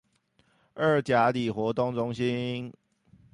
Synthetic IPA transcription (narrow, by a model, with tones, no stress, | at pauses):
ə˥˩t͡ɕja˨˥˦li˨˩xwɔ˨˧˥t̪ʊ˥˧ŋt͡sʊ˦ŋɕi˦n